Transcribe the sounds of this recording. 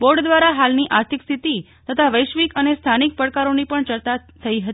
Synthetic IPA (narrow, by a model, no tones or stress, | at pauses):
boɾɖd̪ʋaɾaɦalniʔaɾt̪ʰikst̪ʰit̪i | t̪ət̪ʰaʋəjʃʋikənest̪ʰanik̚pəɽkaɾonipəɳt͡ʃəɾt̪at̪ʰəiɦət̪